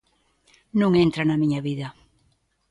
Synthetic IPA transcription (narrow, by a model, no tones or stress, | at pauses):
nũŋent̪ɾanɐmĩɲɐβiðɐ